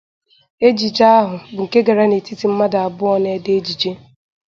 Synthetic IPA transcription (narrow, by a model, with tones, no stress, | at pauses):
e˦d͡ʒi˨d͡ʒa˦a˦ɦʊ˨bʊ˨ŋ̩˨ke˦ɡa˨ɾa˦ne˨ti˦ti˨m̩˦ma˦da˨a˨bʊ˦ɔ˦ne˦dɪ˦e˦d͡ʒi˨d͡ʒe˦